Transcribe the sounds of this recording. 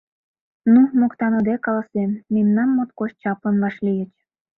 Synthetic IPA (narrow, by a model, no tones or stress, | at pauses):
numokt̪ɑnod̪ekɑlɑsemːemnɑmːot̪̚koʃt͡ɕɑplə̆nvɑʃlijət͡ɕ